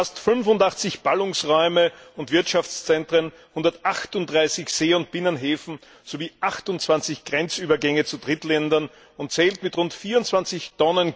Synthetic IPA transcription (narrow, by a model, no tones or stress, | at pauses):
astfʏnfʊndaχt͡sɪçb̥alʊŋsʁɔʏməʊntv̥ɪɐtʃaft͡st͡sɛntʁ̥ən | hʊndɐtʔaχtʊntdʁaɪsɪçz̥eːʊnt̚b̥ɪnənɦeːfn̩ | z̥oviːʔaχtʊnt͡sv̥ant͡sɪçɡ̥ʁɛnt͡sʔyːbɐɡɛŋət͡sudʁɪtlɛndɐn | ʊntt͡sɛːltmɪtʁʊntfiːɐʊnt͡sv̥ant͡sɪçtɔnən